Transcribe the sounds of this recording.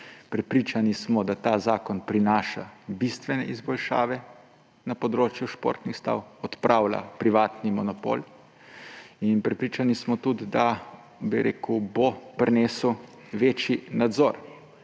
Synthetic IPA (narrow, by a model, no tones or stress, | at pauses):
pɾɛpɾit͡ʃanismɔd̪at̪aːzaːkɔnpɾinaːʃa̰bist̪ʋɛnɛizbɔlʃa̰ːʋɛ | napɔd̪ɾoːt͡ʃjuʃpo̰ːɾt̪nixst̪a̰ːwɔt̪pɾʔaːwla̰pɾiʋaːt̪nimɔnɔpo̰l | inpɾɛpɾiːt͡ʃanismɔt̪ud̪d̪a | biɾʔḛːkubopɾneːsu | ʋeːt͡ʃjinad̪zoːɾ